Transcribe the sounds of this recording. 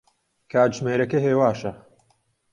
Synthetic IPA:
kʰaːʒmeːɾɐkɐɦeːwaːʃɐ

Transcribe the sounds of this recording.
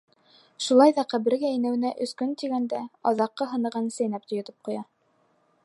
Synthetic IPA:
ʃulˠɑjðɑqæβɘ̆ɾɡæinæwɘ̆næʔɵ̆skɵnt̪iɡænd̪æɑðɑqːɤɦɤ̆nɤ̆ʁɑnsæjnæp̚t̪ŏjŏt̪ɤ̥p̚qŏjɑ

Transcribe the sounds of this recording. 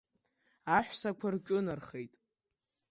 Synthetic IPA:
aħʷsakʷʰarkʲʼʊnarχe̞jtʼ

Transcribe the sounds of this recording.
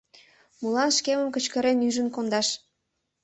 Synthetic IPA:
mulɑnʃkeməmkə̆t͡ɕkə̆ɾenyʒənkond̪ɑʃ

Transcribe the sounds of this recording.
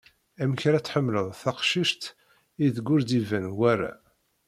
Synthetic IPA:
æmçɾæt͡sːħəmːləðˤθæqʃiʃt̪ | iðɡːʊɾd̪ivænwæɾæ̰

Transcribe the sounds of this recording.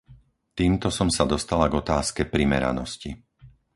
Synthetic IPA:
t̪iːmt̪ɔsɔmsad̪ɔst̪alaɡɔt̪aːskɛpɾimɛ̰ɾa̰nɔsci

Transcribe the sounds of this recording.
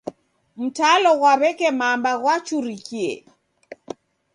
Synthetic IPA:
m̩talɔɣwaβɛkɛmambaɣwat͡ʃuɾikiɛ̰

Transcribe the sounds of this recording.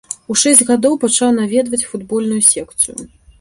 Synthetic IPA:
uʂɛsʲd͡zʲɣad̪ɔwpat͡ʂawn̪avʲɛd̪vɐt͡sʲfud̪bɔlʲnujusʲɛkt̪sɨjṵ

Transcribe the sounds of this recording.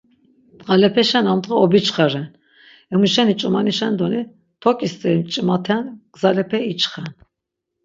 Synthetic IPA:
tqʼalɛpʰɛʃɛnamd̪ʁɛɔbit͡ʃʰχaɾɛn | ɛmuʃɛnit͡ʃʼumaniʃɛnd̪ɔni | t̪ʰɔkʼist̪ʼɛɾmt͡ʃʼimat̪ʰɛnɡ̥zalɛpʰɛit͡ʃʰʼχɛn

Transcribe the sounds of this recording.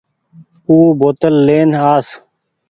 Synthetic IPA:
uːboːt̪əlːeːnaːs

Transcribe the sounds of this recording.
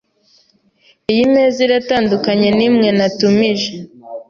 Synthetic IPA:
ijimeːziɾataːndukaɲe̞nimŋe̞natumiʒe

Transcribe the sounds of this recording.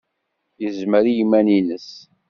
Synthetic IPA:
jəzməɾijimːæninəs

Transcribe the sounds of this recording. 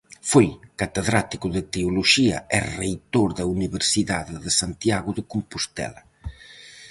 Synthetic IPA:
fojkat̪eðɾat̪ikʊðɪt̪eoloʃiɐ̰ʔɛrejt̪oɾðɐuniβeɾsiðaðɪðɪsant̪jaɣʊðɪkompost̪ɛ̰lɐ

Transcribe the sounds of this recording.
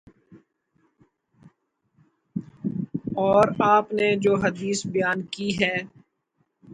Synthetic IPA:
ɔːɾaːpned͡ʒoːɦɐd̪iːsbɪjaːnkiɦɛː

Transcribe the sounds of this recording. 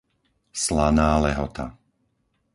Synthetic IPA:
slanaːlɛɦɔt̪a̰

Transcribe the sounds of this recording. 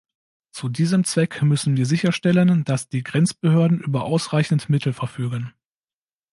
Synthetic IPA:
t͡sudiːzəmt͡sv̥ɛkmʏsn̩viːɐzɪçɐʃtɛlənd̥asd̥iːɡʁɛnt͡sb̥əhøːɐdn̩ʔyːbɐʔaʊsʁaɪçn̩tmɪtʰl̩fɛɐfyːɡən

